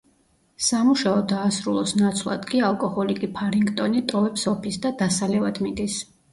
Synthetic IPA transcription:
samuʃaɔd̪aːsɾulˠɔsnat̪sʰlˠa̰d̪kʼialˠkʼɔhɔlikʼipʰaɾiŋɡt̪ʼɔnit̪ʼɔvɛpsɔpʰisd̪ad̪asalɛvad̪mid̪is

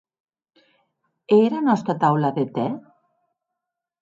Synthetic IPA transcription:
eɾanɔst̪ɾat̪awlaðet̪ɛ

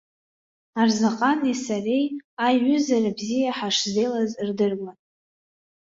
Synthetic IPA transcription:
arzaqʼanesarejaɥʏzarabzijaħaʂzejlazrdɨrɡʷan

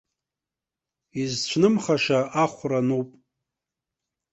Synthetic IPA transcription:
izt͡ɕʷʰnɨmχaʂaaχʷranupʼ

